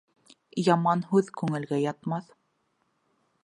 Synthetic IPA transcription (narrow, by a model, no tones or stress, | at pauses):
jɑmɑnɦʉðkʉŋɘ̆lɡæjɑt̪mɑθ